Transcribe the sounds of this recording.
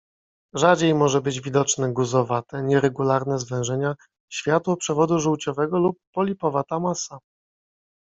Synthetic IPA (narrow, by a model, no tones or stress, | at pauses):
ʐad͡ʑejmɔʐɛbɘd͡ʑvʲid̪ɔt͡ʂnɛɡuzɔvat̪ɛɲɛɾɛɡulaɾnɛzvɛ̃w̃ʐɛɲa | ɕfʲjat̪wɔpʂɛvɔd̪uʐuwt͡ɕɔvɛɡɔlupːɔlʲipɔvat̪amasa